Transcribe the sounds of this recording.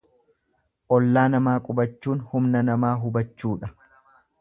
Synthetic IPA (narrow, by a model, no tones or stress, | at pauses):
ʔɔlːaːnɐmaːkʼʊbɐt͡ʃːuːnhʊmnɐnɐmaːɦʊbɐt͡ʃːuːᶑɐ